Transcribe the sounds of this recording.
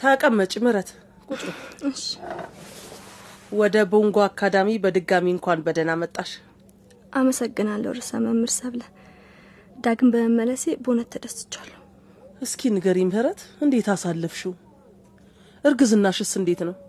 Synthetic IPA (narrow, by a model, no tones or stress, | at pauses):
t̪ʰakʼəmːət͡ʃʼimɨɾət̪ | kʼut͡ʃʼuɨʃi̥ | wɔd̪əboŋɡoakʰːad̪amibəd̪ɨɡamiɨŋkʷanbəd̪ənamət̪ʼːaʃ | ʔaməsəɡːɨnalːə̰wɾɨsə̰məmːɨɾsəβlə | d̪aɡɨmbəməmːələsebonət̪ʰːəd̪əst̪ɨ̥t͡ʃːalːəh | ʔɨskʰinɨɡəɾimhɨɾət̪ɨnd̪e̞t̪asalːɨfʃu | ʔɨɾɡɨzɨnːaʃɨsɨnd̪e̞t̪nəw